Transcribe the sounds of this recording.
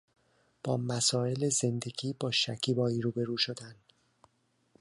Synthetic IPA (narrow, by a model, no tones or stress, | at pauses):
b̥ɒːmæsɒːe̞leze̞nd̪e̞ɡiːbɒːʃæcʰiːbɒːiɾuːbe̞ɾuːʃod̪æn